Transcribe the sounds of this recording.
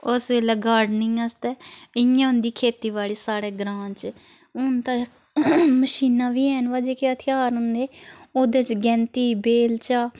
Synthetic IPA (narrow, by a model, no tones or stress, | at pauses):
ʊsʋeːlɛːɡaːɾɖnɪ̃ŋəst̪ɛːɪjãːʊ̃nd̪iːkʰeːt̪iːʋaːɭiːsaːɽeːɡɾãːt͡ʃ | ʊnt̪a | məʃiːnãːʋiːɛːnʋaːd͡ʒeːkɪət̪ʰɪjaːɾʊnd̪eːoːd̪eːt͡ʃɡɛ̃ːnt̪iːbeːlt͡ʃaː